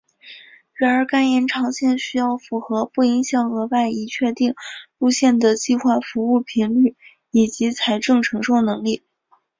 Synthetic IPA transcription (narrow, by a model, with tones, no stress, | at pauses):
ɻa˧˥nə˞˧˥ka˥njɛ˧˥nʈ͡ʂʰɑ˧˥ŋɕjɛ˥˩nɕy˥jɑ˥˩ʊfu˧˥xɤ˧˥pu˥˩i˧˥ŋɕjɑ˨˩ŋɤ˧˥wa˥˩ɪi˧˥t͡ɕʰɥɛ˥˧t̪i˥˧ŋu˥˧ɕjɛ˥˩nd̪ə˩t͡ɕi˥˧xwa˥˩fu˧˥u˥˩pʰi˧˥nly˥˩ | i˨˩t͡ɕi˧˥t͡sʰa˧˥ɪʈ͡ʂɤ˥˩ŋʈ͡ʂʰɤ˧˥ŋʂo˥˩ʊnɤ˧˥ŋli˥˩